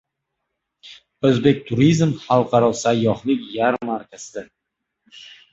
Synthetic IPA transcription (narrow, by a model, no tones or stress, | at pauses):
ɵzbe̞k̚ʲt̪ʰʊɾizmχalˠqʰɑɾɒsajːɒhlɪkʲjaɾmaɾkʲʰazɪd̪a